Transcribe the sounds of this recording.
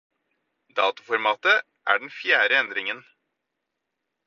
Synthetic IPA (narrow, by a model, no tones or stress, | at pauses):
d̪ɑːt̪ʊfɔɾmɑːt̪ə | ʔæ̰ːɖɛnfjæːɾəɛnd̪ɾɪŋən